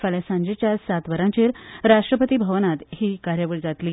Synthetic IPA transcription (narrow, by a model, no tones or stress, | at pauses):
faljasãɲd͡ʑet͡ɕjasat̪ʋəɾãt͡ɕeɾɾaʂʈɾəpət̪iːbʱəʋnat̪hiːkaɾjəʋəɽd͡zat̪li